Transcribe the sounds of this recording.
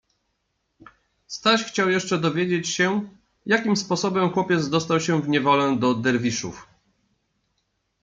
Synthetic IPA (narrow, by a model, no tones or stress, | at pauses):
st̪aɕxt͡ɕawjɛʂt͡ʂɛd̪ɔvʲjed͡ʑet͡ɕɕɛ | jakʲimspɔsɔbɛmxwɔpʲjɛd̪zd̪ɔst̪awɕɛ̃vɲɛvɔlɛd̪ɔd̪ɛɾvʲiʂṵf